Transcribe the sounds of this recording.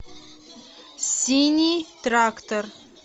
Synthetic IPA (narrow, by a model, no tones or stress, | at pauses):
sʲinʲit̪rakt̪or